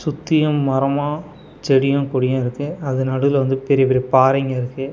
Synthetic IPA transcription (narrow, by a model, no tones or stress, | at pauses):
sʊt̪ːɪjɐmːɐɾɐmaː | t͡ʃɛɽɪjɐ̃ːkʊɽɪjɐ̃ːɪɾɯkːɯɐðɯnɐɽɯðɪlʋɐnd̪ɯpɛɾɪjɐpɛɾɪjɐpaːɾɐŋɡɐɪɾɯkːɯ